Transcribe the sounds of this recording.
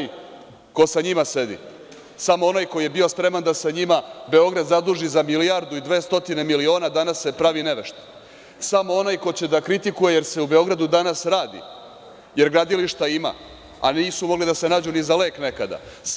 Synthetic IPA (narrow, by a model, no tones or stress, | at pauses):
j | ko̞saɲimase̞d̪ḭ | samo̞o̞naːjkoje̞bio̞spɾe̞mand̪asaɲimabe̞o̞ɡɾad̪zad̪uʒizamilijaɾd̪uid̪ʋe̞ːst̪o̞t̪ine̞milio̞ːnad̪anasːepɾaʋine̞ʋeʃt̪e̥ | samo̞o̞naːjko̞t͡ɕe̞d̪akɾit̪ikuje̞jeɾse̞ube̞o̞ɡɾad̪ud̪anasɾaːd̪ḭ | je̞ɾɡɾad̪iliʃt̪aima̰ | a̰niːsumo̞ɡlid̪ase̞naːd͡ʑunizale̞ːkne̞kad̪a̰